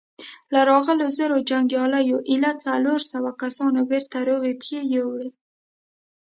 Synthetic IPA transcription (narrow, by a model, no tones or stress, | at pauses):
laɾɑɣəlozəɾod͡ʒaŋɡjɑlajoʔɪlat͡saloɾsawakasɑnobeɾt̪aɾoɣepjejowɽi